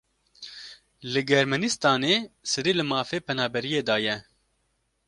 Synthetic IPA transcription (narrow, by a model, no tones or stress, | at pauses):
lɨɡɛɾmɛnist̪ɑːneːsɨɾiːlɨmɑːfeːpʰɛnaːbɛɾijeːd̪ɑːjɛ